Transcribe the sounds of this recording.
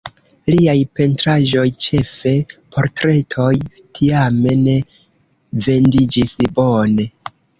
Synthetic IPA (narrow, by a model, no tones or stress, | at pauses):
liajpe̞ntɾaʒo̞jt͡ʃe̞fe̞pʰo̞ɾtɾe̞tʰo̞j | tʰiame̞ne̞ | ve̞ndid͡ʒisbo̞ne̞